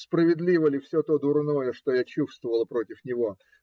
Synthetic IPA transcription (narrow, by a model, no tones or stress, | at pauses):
spɾəvʲɪd̪lʲivəlʲɪfsʲɵt̪o̞d̪ʊrno̞jəʂt̪ojat͡ɕufst̪vəvəlˠəpɾo̞tʲɪfnʲɪvo̞